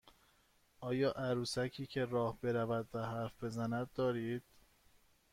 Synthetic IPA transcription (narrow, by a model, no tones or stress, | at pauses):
ʔɒːjɒːʔæɾuːsæcʰiːcʰe̞ɾɒːhbe̞ɾævæd̪væɦæɾfb̥e̞zænæd̪̚ːɒːɾiːd̪̥̚